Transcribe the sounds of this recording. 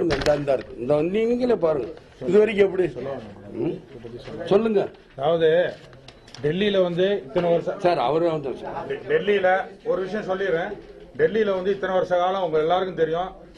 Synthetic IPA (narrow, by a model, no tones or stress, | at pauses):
ɯŋɡɐɪnd̪aːɾɯnd̪aːɾɯkːɯ̃ɪnd̪ɐʋɐnd̪ŋɡŋɡɐlepaːɾɯŋɡɐ | ɪðɯʋɐɾɪk̬ʲːɛp̬ːɐɽi | sɔlːɯŋɡɐ | ɐðaːʋɐðɯ | ɖɛlːilɐʋɐnd̪ɯɪt̪ːɐnɐʋɐɾɐsɐ̃saːɾɐ̰ʋɐɾɐʋɐnd̪ɐsa̰ɾɖɛlːilɐɔɾɯʋɪʂɐjɐ̃sɔlːɪɾẽː | ɖɛlːilɐʋɐnd̪ɯɪt̪ːɐnɐʋɐɾɐsɐkaːlɐ̃ʊŋɡɐɭɛlːaːɾɯkːɯ̃mt̪ɛɾɪjʊ̃